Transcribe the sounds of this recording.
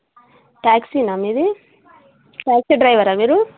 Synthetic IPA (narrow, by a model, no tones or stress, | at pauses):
ʈaːksinamid̪i | ʈaːksiɖɾɐjʋɐɾamiːɾu